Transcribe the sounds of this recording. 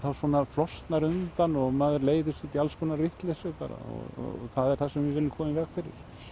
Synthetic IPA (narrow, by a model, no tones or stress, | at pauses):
θawsvɔːnaflɔst̪naɾʏnt̪anɔɣmaːðʏɾleːjðʏsɪt̪ialskʰɔːnarɪht̪lɛsʏpa̰ːɾa̰ɔ̰ɣɔ̰θaðɛɾ̥θasɛmvɪvɪlːɪmkʰɔːmɪmvɛkfɪɾɪ̰ɾ̥